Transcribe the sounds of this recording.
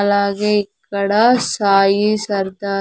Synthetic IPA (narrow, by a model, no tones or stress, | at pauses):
laːɣɐkːɐɽaːsaːjisɐɾd̪aː